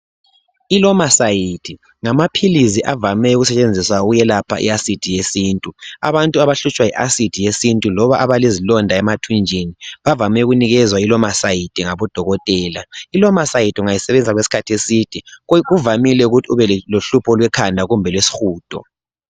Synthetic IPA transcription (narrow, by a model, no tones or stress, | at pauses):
ilɔmasajitʰʼi | ŋamapʰiliziʔavamɛuɣusɛt͡ʃʼend͡zʱiswaɣujɛlapʰa̰ʔḭasid̥ʱijesiːntʼua̰βantʼuaβaɬut͡ʃʼwajiʔasid̥ʱijesintʼulɔβaʔaβalezilɔndʱaɛmatʰund͡ʒʱiniβavamɛuɣuniɣɛzwailɔmasajitʰʼiŋaβɔd̥ʱɔɣɔtʼɛːlailɔmasajitʼuŋajisɛβɛnd͡z̬ʱaɣwesi̥kʰatʰesitʰʼiɣuvamilɛuɣutʰiuβɛloɬupʰɔlwɛkʰandʱaɣumbʱɛlwesi̥xuːd̥ʱʼɔ̰